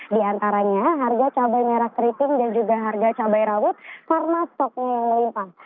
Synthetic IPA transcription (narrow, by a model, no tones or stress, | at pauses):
diant̪aɾaɲaɦarɡat͡ʃabajmeɾakɾit̪ɪŋdand͡ʒuɡaɦarɡat͡ʃabajɾawʊt̪̚sarmast̪ɔk̚ɲajaŋməlinp̪ah